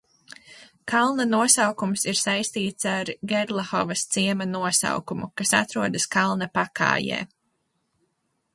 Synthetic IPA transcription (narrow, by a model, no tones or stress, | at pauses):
kalˠnɐnuɔsawkumsiɾsajst̪iːt̪saɾɡɛɾlˠaxɔvɐst̪siɛmɐnuɔsa̰wkumukasa̰t̪ɾuɔd̪ɐskalˠnɐpaka̰ːjɛ̰ː